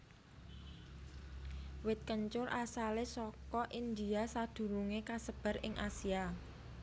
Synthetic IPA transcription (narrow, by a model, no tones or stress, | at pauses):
wɪt̪̚kəɲt͡ʃʊrʔasalesɔkɔʔind̪iasad̪̥ṳɾuŋekasəb̥a̤rɪŋʔasia